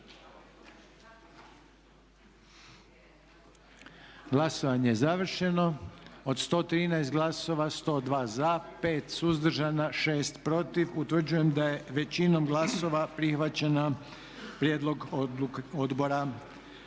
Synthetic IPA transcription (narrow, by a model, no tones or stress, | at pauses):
ɡlˠasoʋaɲe̞jezaʋr̩ʃe̞no̞od̪st̪o̞ːt̪ɾiːnaest̪ɡlˠaso̞ʋast̪o̞ːd̪ʋaːzape̞ːt̪suzd̪r̩ʒanaʃe̞ːst̪pɾo̞t̪iʋut̪ʋər̩d͡ʑuje̞md̪aje̞ʋe̞t͡ɕino̞mɡlaso̞ʋapɾixʋat͡ɕena | pɾje̞ːd̪lˠo̞ɡ | od̪bo̞ɾa